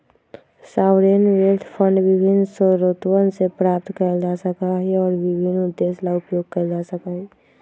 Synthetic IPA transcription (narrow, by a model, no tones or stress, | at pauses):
saːwɾenʋelt̪ʰpʰə̃ɳɖʋɪbʱɪnːsəɾoːt̪wənsepɾaːp̚t̪kəɾd͡ʒasəkaɦɛɔːɾwɪbʱɪnːʊd̪ːeːslaʊpjoːɡ̚kəɾd͡ʒasəkaɦɛ